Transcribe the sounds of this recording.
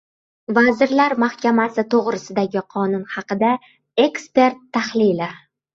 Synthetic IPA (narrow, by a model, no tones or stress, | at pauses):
vazɪɾlaɾmahkʲʰamasɪt̪ʰoʁɾɪsɪd̪aɡʲɪqʰɒnʊnhɑqɨd̪a | e̞kspe̞ɾt̪ʰːahlɪlɪ